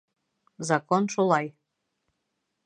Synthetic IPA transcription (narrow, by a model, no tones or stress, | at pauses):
zɑkonʃolˠɑj